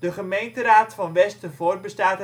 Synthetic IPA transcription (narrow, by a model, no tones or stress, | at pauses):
d̥əχəmejntəraːtfɑnʋɛstəvoːrbəstaːt